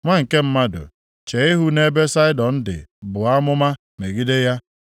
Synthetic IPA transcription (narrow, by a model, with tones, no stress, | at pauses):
ŋʷa˦ŋ̩˨ke˦m̩˦ma˦dʊ̰˨ | t͡ʃe˨i˦ɦu˦ne˦be˦sa˦ɪ˦dɔ˨n̩˦dɪ̰˨bʊ˨a˦mʊ˦ma˦ | me˨ɡi˦de˦ja˦